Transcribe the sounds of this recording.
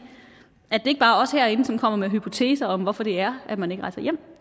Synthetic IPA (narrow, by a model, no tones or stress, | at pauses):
æd̥e̝e̝ɡ̥əb̥ɑ̈ːɒ̽shæɐe̝nəsɒ̽mkʰɒ̽m̰ɐmeɦypʰo̝t͡sʰe̝̰ːsɐɒ̽mʋɒfɒɾ̥e̝æɐæd̥mæne̝ɡ̥əʁɑ̈ɪsɐjem̰